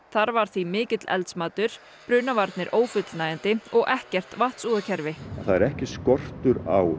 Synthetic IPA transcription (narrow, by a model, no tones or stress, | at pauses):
θaɾvaɾ̥θvimɪːcɪt̪lɛ̰lt̪smaːt̪ʏɾ̥ | pɾʏːnavaɾt̪nɪɾʔoːwfʏt̪lnaːjant̪ɪɔɣʔɛhcɛr̥t̪vaht̪suːðacʰɛɾvɪaθaðɛɾɛhcɪskɔr̥t̪ʏɾaw